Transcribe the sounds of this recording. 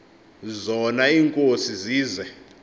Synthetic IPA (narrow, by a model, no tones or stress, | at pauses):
zɔnaiːŋkʼosiziːzɛ